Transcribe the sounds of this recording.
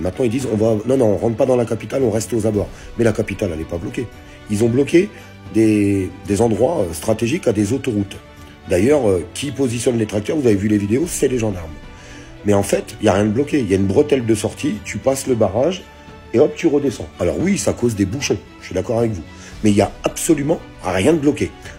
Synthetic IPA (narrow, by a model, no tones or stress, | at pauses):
mɛ̃t̪nɑ̃ild̪izɔ̃vanɔ̃nɔ̃ːʁɑ̃t̪pad̪ɑ̃lakapit̪alɔ̃ʁɛst̪ozabɔʁ | mɛlakapit̪alalɛpablɔkʲe | ilzɔ̃blɔkʲe | d̪ed̪ezɑ̃d̪ʁwaøst̪χat̪eʒikad̪ezot̪oʁut̪ | d̪ajœʁøkʲipozisjɔnlet̪χak̚t̪œʁvuzavevylevid̪eosɛleʒɑ̃d̪aʁm | mɛɑ̃fɛt̪iljaʁjɛ̃d̪əblɔkʲeiljaynbʁət̪ɛld̪əsɔʁt̪it̪ʰypasləbaʁaʒ | eɔpt̪yʁəd̪esɑ̰̃alɔ̰ʁwisakozd̪ebuʃɔ̃ʒʃɥid̪akɔʁavɛkvu | mɛiljaapsɔlymɑ̃ | ʁjɛ̃d̪əblɔkʲe